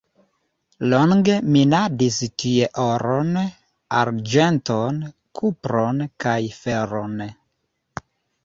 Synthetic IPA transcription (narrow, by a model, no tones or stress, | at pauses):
loŋɡe̞minadistieʔoɾon | a̰ɾd͡ʒe̞nton | kʰupɾonkajfeɾon